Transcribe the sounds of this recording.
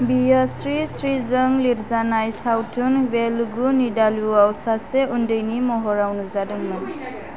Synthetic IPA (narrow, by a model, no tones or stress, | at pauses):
bijasɹisɹizɔŋliɾzanajsawtʰunbɛlɡunidaluawsasɛundɯjnimɔɦɔɹawnuzadɯŋman